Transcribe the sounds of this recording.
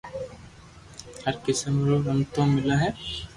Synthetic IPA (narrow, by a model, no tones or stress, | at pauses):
hɐɾkɪsəmɾoɾɐmt̪õmɪlaɦɛː